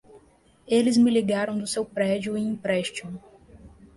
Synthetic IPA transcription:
elɪzmɪliɡaɾɐ̃w̃d̪ʊsewpɾɛd͡ʒʊĩĩpɾɛʃt͡ʃõ

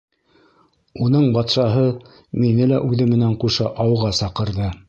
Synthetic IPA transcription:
unɤɴbɑt̪ʃɑɦɤ | minɘlæʔʉðɘmɘ̆næɴquʃɑʔɑwʁɑsɑqɤ̆ɾðɤ

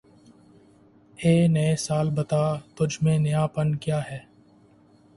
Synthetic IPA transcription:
eːnɐesaːlbɐt̪aːt̪ʊd͡ʒʱmẽnɪjaːpənkjaːɦɛː

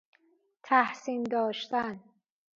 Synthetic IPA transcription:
t̪ʰæhsiːnd̪ɒːʃt̪æn

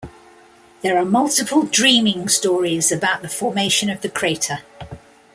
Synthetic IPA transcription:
ðəɹəmʌlˠtɪpʰəlˠdɹĩːmɪ̃ŋstɔːɹɪzəbaʊʔðəfɔːmeɪʃə̃nəvðəkʰɹ̥eɪtʰə

